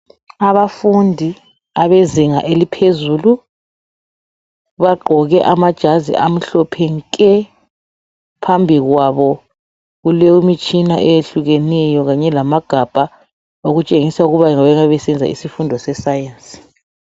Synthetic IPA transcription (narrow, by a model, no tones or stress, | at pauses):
aβafundʱi | aβeziŋa̰ʔelipʰezuːlu | βaɡ͡ǃʱɔɣɛʔamad̥ʒ̥ʱazḭʔam̩ɬɔpʰɛŋkʼɛ | pʰambʱiɣwaβɔ | ɣuleumit͡ʃʼina̰ʔejeɬuɣɛnɛjɔɣaɲɛlamaɡ̥ʱab̥ʱa | oɣut͡ʃʼeŋisauɣuβaŋaβɛŋaβɛsɛnd͡zʱa̰ḭsifundʱɔsɛsajansʼi̥